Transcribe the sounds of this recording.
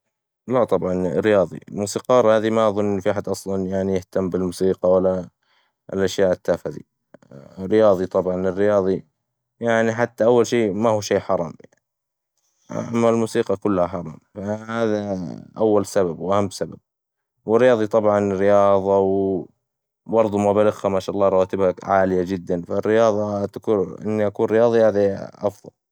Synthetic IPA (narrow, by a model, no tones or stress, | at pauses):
lat̪ˤɑbʕɑnɾːɪjɑːðˤḭlmuːsiːqɑːɾˤhaːðimaʔɑðˤʊnːʔnfiʔħad̪ʔɑsˤlɑnjaʕnijɪht̪amːbɪlmuːsiːqɑwalːa | ɪlʔaʃjaːʔɪt̪ːaːfaðḭ | rːɪjɑːðˤit̪ˤɑbʕɑnɪrːɪjɑːðˤi | jaʕniħat̪ːaʔawːalʃeːmahuʃeːħɑɾˤɑːmjaʕni | ʔa̰mːalmuːsiːqɑkʊlːhaħɑɾˤɑ̰mfahaːðaʔawːalsababwʔahamːsabab̚ | wɪrːɪjɑːðˤit̪ˤɑbʕɑnrːɪjɑːðˤɑw | bɑɾˤd̪ˤumabalɪɣhamaːʃaːʔɑlːɑːɾˤɑwaːt̪ɪbhaʕaːlɪjad͡ʒɪd̪ːanfarːɪjɑːðˤɑt̪akuʔɪ̰nːiʔakuːnrɾɪjɑːðˤihaːðaʔɑfðˤɑ̰l